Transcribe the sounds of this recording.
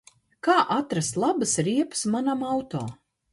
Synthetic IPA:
kaːʔat̪ɾast̪lˠabɨsɾiɛpɨ̥smanamawt̪ɔ̰ː

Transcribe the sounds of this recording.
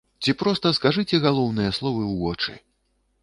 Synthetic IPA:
t͡sʲipɾɔst̪ɐskaʐɨt͡sʲɛɣalˠɔwnɨjɐslˠɔvɨwvɔt͡ʂɨ̰

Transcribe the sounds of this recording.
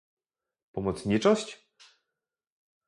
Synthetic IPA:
pɔmɔt̪sɲit͡ʂɔɕt͡ɕ

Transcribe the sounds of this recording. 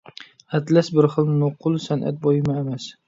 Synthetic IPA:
at̪lasbɪɾχɨlˠnʊqʰʊlˠsanʔa̰t̪̚bɒjɪmaemas

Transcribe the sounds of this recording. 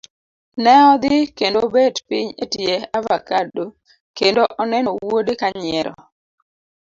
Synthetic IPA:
nɛɔd̪ɪkendobedpiɲetjeavakado | kendoʔɔnɛnɔwodekaɲɛɾɔ̰

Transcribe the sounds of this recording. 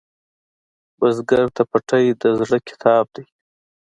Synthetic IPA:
bazɡaɾt̪apaʈajd̪əzɽəkʲʰɪ̥t̪ʰɑb̚d̪aj

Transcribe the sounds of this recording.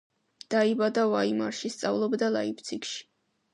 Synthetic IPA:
d̪̥aibad̪avaima̰ɾʃist̪sʼa̰vlˠɔbd̪alˠaipt̪sʰikʃi̥

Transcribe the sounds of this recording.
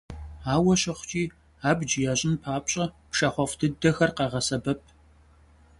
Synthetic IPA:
aːwɐɕɐχʷt͡ʃʼiː | aːbd͡ʒɪjaːɕʼɪnpʰaːpʼɕʼɐpʂɐχʷɔftʰɨdɐxɐrqɑʁɐsɐbɐp̚ʰ

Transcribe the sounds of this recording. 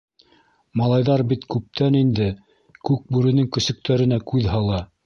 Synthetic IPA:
mɑlˠɑjðɑɾbit̪kʉp̚t̪ʰænind̪ɘ | kʉk̚bʉɾɘ̆nɘŋkɵ̆sɵ̆k̚t̪ʰæɾɘ̆nækʉðɦɑlˠɑ

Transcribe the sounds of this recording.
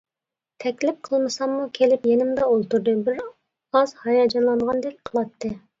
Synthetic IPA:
t̪ʰɛkʲlɪp̚qʰəlˠmɨsɑmmːukʲʰelɪpjenɪmd̪ɑolˠt̪uɾd̪ɨbɪɾ | ɑzhɑjɑd͡ʒɑnlˠɑɴʁɑnd̪ɛk̚ʲqʰəlˠɑt̪ʰːɨ

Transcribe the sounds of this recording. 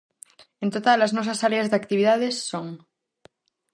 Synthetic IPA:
ent̪ot̪alaznos̬asaɾeazðeakt̪iβiðað̞esːoŋ

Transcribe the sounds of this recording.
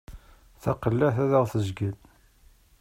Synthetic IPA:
θæqəlːæθæðəʁθəzɡəl

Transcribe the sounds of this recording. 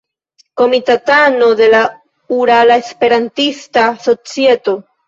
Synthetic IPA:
ko̞mit̪at̪ano̞d̪e̞la | uɾalaespe̞ɾantist̪aso̞t͡siet̪o̞

